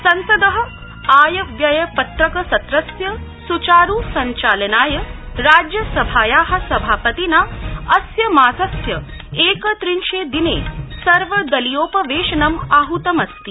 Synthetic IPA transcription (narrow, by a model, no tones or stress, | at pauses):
sɐnsɐd̪ɐɦɐ̆ | aːjɐʋjɐjɐpɐt̪ɾɐkɐsɐt̪ɾɐsjɐsut͡ʃaːɾusɐɲt͡ʃaːlɐnaːjɐɾaːd͡ʒjɐsɐbʱaːjaːɦɐ̆sɐbʱaːpɐt̪inaːɐsjɐmaːzɐsjɐ | eːkɐt̪ɾinʃeːd̪inḛːsɐɾʋɐd̪ɐlijoːpɐʋeːʃɐnɐmaːɦut̪ɐmɐst̪i